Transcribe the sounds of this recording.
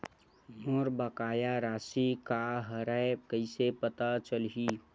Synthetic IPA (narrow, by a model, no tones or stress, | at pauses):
moːɾbəkaːjaɾaːsikaɦəɾɛekəisepət̪at͡ʃəlɦi